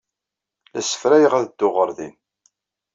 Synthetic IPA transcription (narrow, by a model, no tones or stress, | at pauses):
læsə̥fɾæjəʁæðəd̪ːʊʁəɾˤðḭn